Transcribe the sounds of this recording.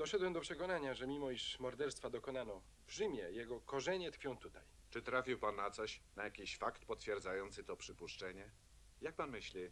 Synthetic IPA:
d̪̥ɔʂɛd̪wɛmd̪ɔpʂɛkɔnaɲaʐɛmʲimɔiʂmɔɾd̪ɛɾst̪fad̪ɔkɔnanɔ | vʐɘmʲjɛjɛɡɔkɔʐɛɲɛt̪ɾfʲjɔ̃w̃t̪ut̪aj | t͡ʂɘt̪ɾafʲiwpanːat̪sɔɕnajakʲiɕfakt̪pɔt̪fʲjɛɾd̪zajɔnt̪sɘt̪ɔpʂɘpuʂt͡ʂɛɲɛ | jak̚panmɘɕlʲi

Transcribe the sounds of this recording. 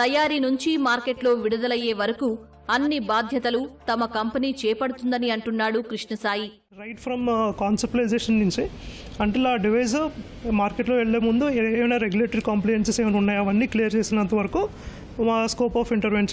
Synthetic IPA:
t̪ɐjaːɾinuɲt͡ʃimaːɾkeʈlo̞ːʋiɽud̪ɐlɐjːe̞ːʋɐɾɐku | ɐnːibaːd̪ʱjɐt̪ɐlut̪ɐmɐkɐmpɐniːt͡ʃɛːpɐɽut̪und̪ɐniɐɳʈunːaːɽukɾiʂnɐsaːji | ɾɐjʈfʰɾɐmkaːnsɐp̚ʈlɐjd͡ʒeːʂɐnːuɲt͡ʃiɐɳʈelaːɖiʋɐjzɐ | maːɾkeʈloːʋeɭːeːmund̪ueːʋinaːɾeɡjuleːʈɐɾikɐmplɐjenseseːmɐnunːaːjɐʋɐnːiːklijɐɾt͡ʃeːsinɐnt̪ɐʋɐɾɐku | maskoːpaːfʰiɳʈɐɾʋeːns

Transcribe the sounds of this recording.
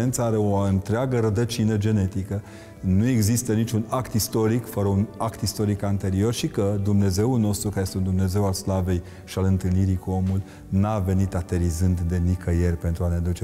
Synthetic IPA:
ent̪səaaɾe̞oɨnt̪ɾeaɡəɾəd̪ət͡ʃinəd͡ʒe̞ne̞t̪ikə | nue̞ɡzist̪ənit͡ʃunakt̪ist̪o̞ɾikfəɾəunakt̪ist̪o̞ɾikant̪e̞ɾio̞rʃikəd̪umne̞ze̞ulno̞st̪ɾukaɾejest̪eund̪umne̞ze̞walslave̞j | ʃialɨnt̪ɨlniɾikuo̞mul | nave̞nit̪at̪e̞ɾizɨnd̪d̪e̞nikəje̞rpe̞nt̪ɾuaned̪ut͡ʃe

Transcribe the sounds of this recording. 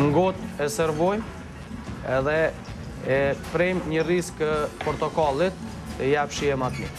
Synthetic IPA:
ŋɡɔt̪ɛsɛɾvɔjm | ɛðɛ | ɛpɾɛmɲəriskpɔɾt̪ɔkalˠit̪ː | əjapʃiɛmat̪mi

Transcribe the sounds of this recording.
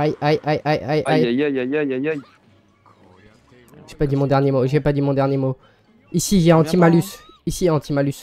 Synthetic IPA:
ajʔajʔajʔajʔajajjjj | ʒ̥epad̪imɔ̃d̪ɛʁnjemoʒɛpad̪imɔ̃d̪ɛʁnjemo | isiʒɛɑ̃t̪imalys | isiɛɑ̃t̪imalys

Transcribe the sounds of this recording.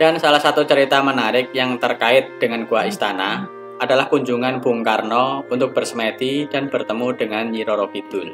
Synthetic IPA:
d̥ansalahsat̪ut͡ʃəɾit̪amənaɾɪk̚jaŋt̪ərkaɪt̪̚d̥əŋankuaʔist̪ana | adalahkuɲd͡ʒuŋanb̥uŋkarnɔunt̪ʊk̚b̥ərsəmɛt̪id̥anb̥ərt̪əmudəŋanɲiɾɔɾokid̪ʊl

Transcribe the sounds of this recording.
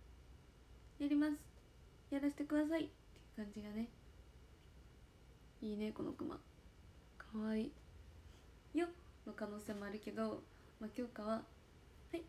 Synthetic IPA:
jaɾʲimasɨ̥ | jaɾaɕi̥t̪e̞kɯd̪as̬ait̪ːe̞jɯ̟kãɲ̟d͡ʑiɡane̞ | iːne̞ko̞no̰kɯ̟ma̰ | kʰaβai | jonokano̞ːse̞ːmo̞aɾɯ̟ke̞d̪o̞ | makʲo̞ːkaβ̞a | hai

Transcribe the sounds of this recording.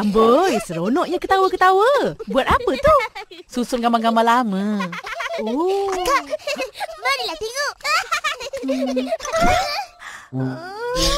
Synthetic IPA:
ambəjsəɾonɔʔɲakət̪awəkət̪awəbuat̪apət̪ususʊnɡamaŋɡamalamə | oka | banilat̪iŋoʔ

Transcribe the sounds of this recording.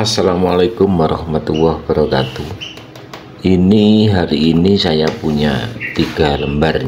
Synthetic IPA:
asalamalakʊmːaɾɔhmat̪uwahb̥aɾɔkat̪u | ʔiniɦaɾiːnisajapuɲa̰t̪iɡ̥a̤ləmbarɲ

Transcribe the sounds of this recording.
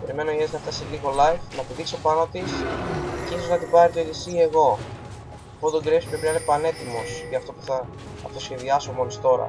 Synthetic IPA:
pe̞ɾime̞noeznɐft̪ɐsiliɣo̞lɐjfnɐt̪iðiksopɐnɐt̪isciso̞znɐt̪ibɐɾit̪oelisie̞ɣo̞ | fod̪oɡɾepsi̥pɾepinɐinepɐne̞t̪imo̞sjɐft̪o̞puθɐː | ft̪osçe̞ðiɐsomo̞list̪o̞ɾɐ̰

